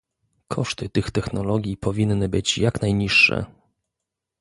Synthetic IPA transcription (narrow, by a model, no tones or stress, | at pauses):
kʰɔʂt̪ɘt̪ɘxt̪ɛxnɔlɔɡʲjipɔvʲinːɘbɘt͡ɕjaknajɲiʂːɛ̰